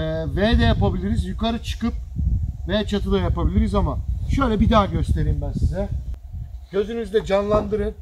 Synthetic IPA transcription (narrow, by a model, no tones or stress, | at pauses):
ɛːvɛd̪ɛjapabilʲiɾizjukaɾɯt͡ʃʰɯ̥kɯp̚vɛt͡ʃʰat̪ʰɯd̪ajapabilʲiɾizamaʃø̞jlʲɛbid̪aːɟø̞st̪ʰe̞ɾimbænsizɛ | ɟ̥ø̞zynyzd̪ɛd͡ʒanlˠand̪ɯɾɯn